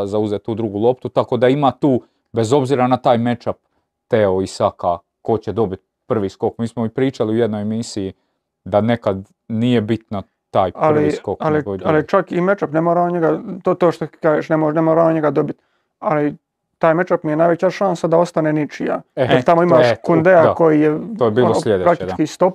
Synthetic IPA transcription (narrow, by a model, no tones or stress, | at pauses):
zauzet̪uːd̪ɾuɡulo̞p̚t̪ut̪ako̞d̪aimaːt̪uː | be̞zo̞bziːɾanat̪aːjme̞t͡ʃap̚ | t̪eoisaka | ko̞t͡ɕed̪o̞bit̪̚ | pr̩ʋiːsko̞kmiːsmoipɾiːt͡ʃaliujed̪nojemisiji | d̪ane̞kad̪ | nije̞bit̪na | t̪aːjaliiskokalialit͡ʃakime̞t͡ʃapnemoːɾaoɲeɡat̪ot̪oːʃt̪okaːʒeːʃnemonemoɾaoɲe̞ɡad̪o̞bit̪ | ali | t̪aːjme̞t͡ʃapmijenajʋe̞t͡ɕaʃansad̪ao̞st̪anenit͡ʃija̰jeɾt̪amo̞imaːʃkund̪eako̞jijeoːjebiːlolʎed̪epɾaktit͡ʃkist̪o̞p̚